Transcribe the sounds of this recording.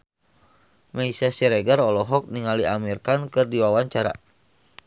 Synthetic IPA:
maisasiɾɛɡaɾɔlɔɦɔk̚niŋaliamirkankɨrdiwawaɲt͡ʃaɾa̰

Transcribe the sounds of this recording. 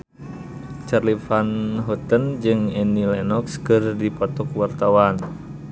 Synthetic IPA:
t͡ʃarlifanɦɔt̪ənd͡ʒɨŋɛnilɛnɔkskɨrdipɔt̪ɔkwart̪awan

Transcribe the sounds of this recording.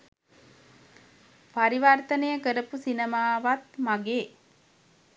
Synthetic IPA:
paɾiʋart̪ənəjəkəɾəpusinemaːʋat̪maɡeː

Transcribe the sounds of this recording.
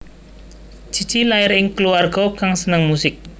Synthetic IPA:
d͡ʒ̥i̤̥t͡ʃilaɪɾɪŋkəluarɡ̥ɔkaŋsənəŋmusɪk̚

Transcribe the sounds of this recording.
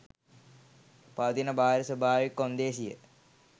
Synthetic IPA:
pɐd̪inɐbʱaːɾɐsɐbʱaːʋikːond̪eːsijə̰

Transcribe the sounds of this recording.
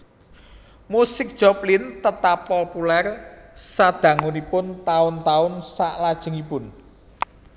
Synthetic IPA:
musɪk̚d̥ʒ̥ɔplɪnt̪ət̪apːopulɛrsad̪̥ä̤ŋunipʊnt̪aʊnt̪aʊnsaʔlad̥ʒ̥ə̤ŋipʊn

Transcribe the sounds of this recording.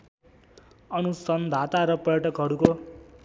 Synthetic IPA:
ʌnusʌnd̪ʱat̪aɾʌpʌɾjʌʈʰʌkɦʌɽuko

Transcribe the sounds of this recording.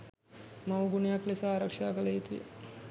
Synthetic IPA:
mawɡunijaklesaaːɾakʂaːkələit̪ujə̰

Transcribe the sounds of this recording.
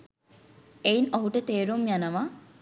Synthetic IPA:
einoɦuʈət̪eːɾumjanəʋa

